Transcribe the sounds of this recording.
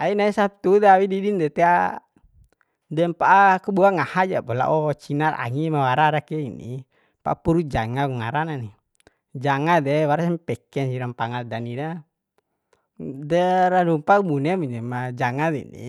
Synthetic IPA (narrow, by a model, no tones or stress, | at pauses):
ainaisap̚t̪ud̪ɛawididindɛt̪ɛa | dɛmpaʔːkubuaŋahad͡ʒapɔla̰ʔɔt͡ʃinara̰ŋimawaɾaɾakɛinḭ | paʔapuɾud͡ʒaŋakuŋaɾanani | d͡ʒaŋad̪ɛwaɾasɛmpɛkɛnsiɾampaŋaldanina | dɛɾalumpakbunɛmuɲɛmad͡ʒaŋad̪ɛḭnḭ